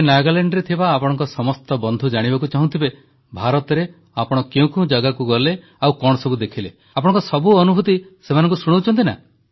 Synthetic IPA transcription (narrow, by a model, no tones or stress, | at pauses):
naɡaleɳɖɾet̪ʰibaːpɔɽ̃ɔ̃ŋkɔsɔmɔst̪ɔbɔnd̪ʱud͡ʒaɽ̃ibakut͡ʃaɦũt̪ʰibe | bʱaɾɔt̪ɔɾe | apɔɽ̃ɔkeũkũd͡ʒaɡakuɡɔle | awkɔɽ̃ɔsɔbud̪ekʰile | ap̬ɔɽ̃ɔŋkɔsɔbuɔnubʱut̪isemanɔŋkusuɽ̃owt͡ʃʰɔnt̪ina̰